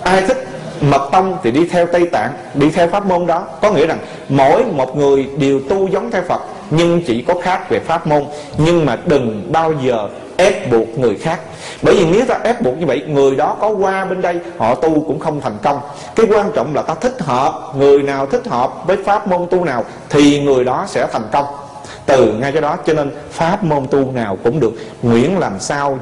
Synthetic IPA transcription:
ʔaː˧jt̪ʰï˦˥k̟̚mə˨˩t̚t̪ə˧wŋ͡mt̪ʰi˨˩ɗi˧t̪ʰɛ˧wt̪ə˧jt̪a̰ː˧˨ŋ | ɗi˧t̪ʰɛ˧wfaː˦˥p̚mo˧nɗɔ˨˦kɔ˨˦ŋḭ˧˥əza˨˩ŋ | mo̰˧˥jmo˨˩t̚ŋɨ˨˩əjɗi˨˩əwt̪u˧zə˨˦wŋ͡mt̪ʰɛ˧wfə˨˩t̚ | ɲɨ˧ŋt͡ɕḭ˧˩˨kɔ˨˦xaː˦˥k̚ve˨˩faː˦˥p̚mo˧n | ɲɨ˧ŋmaː˨˩ɗɨ˨˩ŋɓaː˧wzəː˨˩ | ʔɛ˦˥p̚ɓu˨˩ək̚ŋɨ˨˩əjxaː˦˥k̚ | ɓəː˧˩jvi˨˩ne˨˦wt̪aː˧ʔɛ˦˥p̚ɓu˨˩ək̚ɲɨ˧və̰˧˨jŋɨ˨˩əjɗɔ˨˦kɔ˨˦kwaː˧ɓe˧nɗə˧jhɔ̰˧˨t̪u˧kʊ̰˧˥ŋ͡mxə˧wŋ͡mt̪ʰa˨˩jŋ̟kə˧wŋ͡m | kaː˨˦jkwaː˧nt͡ɕɔ̰˧˨wŋ͡mlaː˨˩t̪aː˧t̪ʰï˦˥k̟̚ɦəː˨˩p̚ŋɨ˨˩əjnaː˨˩wt̪ʰï˦˥k̟̚həː˨˩p̚vəː˨˦jfaː˦˥p̚mo˧nt̪u˧naː˨˩w | t̪ʰi˨˩ŋɨ˨˩əjɗɔ˨˦sɛ̰˧˥t̪ʰa˨˩jŋ̟kə˧wŋ͡m | t̪ɨ˨˩ŋa˧jt͡ɕɔ˨˧˦ɗɔ˨˦t͡ɕɔ˧ne˧n | faː˦˥p̚mo˧nt̪u˧naː˨˩wkʊ̰˧˥ŋ͡mɗɨ˨˩ək̚ | ŋwḭ˧˥ənlaː˨˩msaː˧w

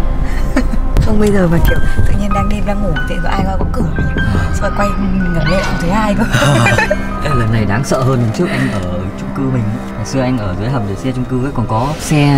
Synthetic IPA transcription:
xə˧wŋ͡mɓə˧jzəː˨˩vaː˨˩t͡ɕʰḭ˧˨wt̪ɨ̰˧˨ɲi˧ənɗaː˨˦ŋɗe˧mzaː˧ŋo˧˩˨t̪ʰḭ˧˨˩o˨˧˩ʔaː˧jkaː˧˩kɔ˨˦kɨ˧˩əɨ˨˩əsə̰˧˨kwa˧jŋə˨˩mlḛ˧˨˧t̪ʰɨː˨˦haː˧jkɔ˧˦ | kaː˦˥k̚ləː˨˩nːa˨˩jɗaː˨˦ŋsə̰ː˧˨həː˧nhə˨˩nt͡ɕɨ˦˥ək̚ʔa˧jŋ̟ʔəː˧˩ | t͡ɕʊ˧ŋ͡mkɨ˧mï˨˩ŋ̟ʔa˨˩sɨ˧əʔa˧jŋ̟ʔəː˧˩zwjɦə˨˩p̚ɗəː˨˩sɛ˧t͡ɕʊ˧ŋ͡mkɨ˧vəː˨˦jkɔ˨˩nkɔ˨˦sɛ˧

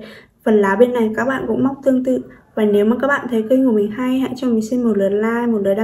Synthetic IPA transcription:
və˨˩nlaː˨˦ɓe˧nːa˨˩jkaː˦˥k̚ɓa̰ː˧˨nkʊ̰˧˥ŋ͡mma˦˥wk͡p̚t̪ɨ˧əŋt̪ɨ̰˧˨ | vaː˨˩ne˨˦wmaː˨˩kaː˦˥k̚ɓa̰ː˧˨nt̪ʰə˨˦jkə˧jŋu˨˩mï˨˩ŋ̟ha˧jha̰˧˥jt͡ɕɔ˧mï˨˩ŋ̟si˧nmo˨˩t̚lə˨˩t̚laː˧jmo˨˩t̚ləː˨˩ɗa˧˨

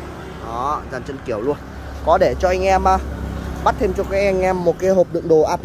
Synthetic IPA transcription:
ʔɔ˨˦zaː˨˩nt͡ɕə˧nki˧˩əwlu˧ən | kɔ˨˦ɗe˧˩t͡ɕɔ˧ʔa˧jŋ̟ʔɛ˧mʔaː˧˩ɓa˦˥t̚t̪ʰe˧mt͡ɕɔ˧kaː˦˥k̚ʔɛ˧ŋʔɛ˧mːo˨˩t̚ka˨˦jɦo˨˩p̚ɗɨ̰˧˨əŋɗo˨˩ʔaː˧t̪

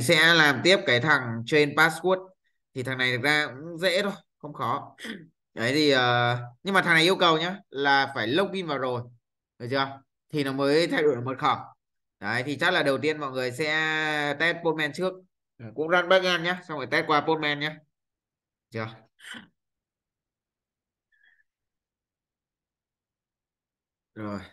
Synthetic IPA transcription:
i˨sɛ̰˧˥laː˨˩mt̪i˦˥əp̚kaː˨˦jt̪ʰa˨˩ŋt͡ɕwe˧npaː˦˥sku˦˥ət̚ | t̪ʰi˨˩t̪ʰa˨˩ŋna˨˩jt̪ɨ˨˩k̚zaː˧kʊ̰˧˥ŋ͡mzḛ˧˥t̪ʰo˧jxə˧wŋ͡mxɔ˨˦ | ʔə˨˦jt̪ʰi˨˩ʔəː˨˩ɲɨ˧ŋmaː˨˩t̪ʰŋna˨˩jʔəwkə˨˩wɲaː˨˧˦laː˨˩faː˧˩jlə˦˥wk͡p̚ki˧mvaː˨˩wzo˨˩j | ʔə˨˩t͡ɕɨ˧ə | t̪ʰi˨˩nɔ˨˦məː˨˦jt̪ʰa˧jɗu˧˩jmo˨˩t̚xɔ˧˩ | ɗəː˨˦jt̪ʰi˨˩t͡ɕa˦˥laː˨˩ɗə˨˩wt̪i˧ənmɔ̰˧˨jŋɨ˨˩əjsɛ̰˧˥t̪ɛ˦˥t̚po˧n̚mɛ˧nt͡ɕɨ˦˥ək̚ː | kʊ̰˧˥ŋ͡mzaː˧nɓaː˦˥k̚ŋa˧nɲaː˧˦sa˧wŋ͡mvaː˧˩jt̪ɛ˦˥t̚kwaː˧po˧n̚mɛ˧nɲaː˧˥˧ | t͡ɕɨ˧ə | zo˨˩j

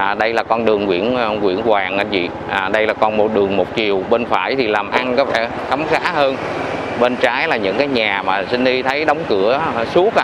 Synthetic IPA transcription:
ɗə˧jlaː˨˩kɔ˧nɗɨ˨˩əŋkwḭ˧˥ən˧kwḭ˧˥ənkwaː˨˩ŋʔaː˧˩vḭ˧˨ | ʔaː˨˩ɗə˧jlaː˨˩kɔ˧nmo˨˩t̚ɗɨ˨˩əŋmo˨˩t̚t͡ɕi˨˩əwɓe˧nfa̰ː˧˩˨jt̪ʰi˨˩laː˨˩mʔa˧nkɔ˨˦fɛ˧˩ | xə˨˦mŋ͡mxaː˨˦˥ɦəː˧n | ɓe˧nt͡ɕaː˨˦jlaː˨˩ɲɨ̰˧˥ŋkaː˨˦jɲaː˨˩maː˨˩sï˧ŋ̟ɗi˧t̪ʰə˨˦jɗə˨˦wŋ͡mkɨ˧˩əsu˨˦˥ək̚

